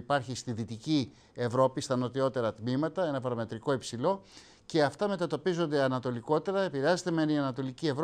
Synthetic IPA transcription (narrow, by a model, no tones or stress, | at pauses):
pɐɾçist̪iðit̪ici | e̞vɾo̞pist̪ɐno̞t̪io̞t̪e̞ɾɐt̪mimɐt̪ɐe̞nɐvɐɾome̞t̪ɾiko̞ipsilo̞ | ce̞ɐft̪ɐme̞t̪ɐt̪o̞pizo̞nd̪e̞ɐnɐt̪o̞liko̞t̪e̞ɾɐepiɾeɐzet̪e̞meniɐnɐt̪o̞licie̞vɾ